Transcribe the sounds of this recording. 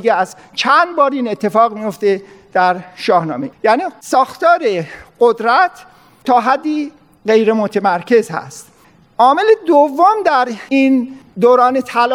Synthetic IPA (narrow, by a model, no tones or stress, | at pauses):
ɡeæz | t͡ʃʰænd̪bɒːɾiːne̞t̪ʰːe̞fɒːɣmijo̞ft̪ed̪̥æɾʃɒːhnɒ̰ːmejæːniːsɒːxt̪ɒːɾe̞ɢod̪ɾæt̪ʰː | ɒːɦæd̪ːiː | ɢe̞jɾemot̪ʰemæɾkʰe̞zhæ̰st̪ | ʔɒːme̞led̪ovːomd̪æɾiːnd̪oːɾɒːne̞t̪ʰæl